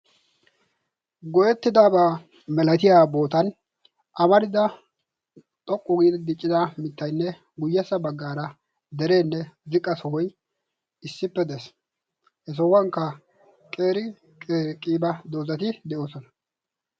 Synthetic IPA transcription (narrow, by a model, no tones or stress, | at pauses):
ɡɔjɛt̪ːɪd̪aːbɐ | mɛlɐt̪ɪjaːbo̞ːt̪ɐn | ʔɐmɐɾɪd̪ɐ | t̪ʼɔkʼːʊɡiːd̪ɪd̪ɪt͡ʃʼːɪd̪amɪt̪ːɐjnːɛ | ɡʊjːɐsːɐbɐɡːaːɾɐ | d̪ɛɾe̞ːnːɛzɪkʼːɐsɔhɔj | ɪsːɪpːɛd̪ɛs | hɛs̬ɔwːɐŋkːɐ | kʼeːɾɪ | ɾkʼiːbɐd̪o̞ːzɐt̪ɪd̪ɛʔo̞ːsɔnɐ̥